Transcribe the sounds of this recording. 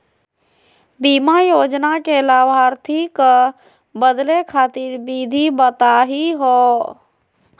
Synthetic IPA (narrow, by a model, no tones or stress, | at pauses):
bimajoːd͡ʒnakelaʋaɾt̪ʰik | bəd̪lekʰaːt̪iɾbid̪ʱibət̪aɦiɦo